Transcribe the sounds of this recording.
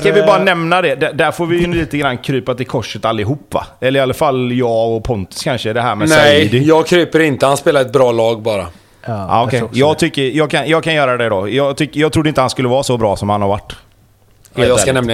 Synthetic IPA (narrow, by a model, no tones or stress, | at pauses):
skanvɪbɑːɾanɛmnad̪ɛd̪ɛd̪æɾfoːɾvɪjɵliːt̪əɡɾanːkʰɾyːpat̪ɪkʰɔʂːət̪alːɪɦuːpːva̰ɛlːəɾɪalːafaljɑːɔpʰɔnt̪ɪ̥skʰanʂəd̪ɛɦæːɾmɛnsɛjid̪ɪjɑːɡkʰɾyːpəɾɪnt̪əhanspeːlaɾɛt̪̚bɾɑːlɑːɡbɑːɾa | a̰ɔkʰɛjjɑːɡt̪ʰʏkːəɾjɑːɡkʰanjɑːɡkʰanjœːɾad̪ɛd̪ɔ̰ːjɑːɡt̪ʰʏkːəjɑːɡt̪ɾʊd̪əɪnt̪əhanskɵlːəvɑːsɔbɾɑːsɔmhanhaɾva̰ʈː | ljɑkaɛmna